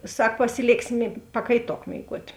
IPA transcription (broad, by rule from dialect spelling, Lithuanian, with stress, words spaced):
ˈsɐk pɐsʲɪˈlʲeːksʲɪ mʲeː pɐkɐɪˈtoːk mʲeːɪˈɡuɔtʲ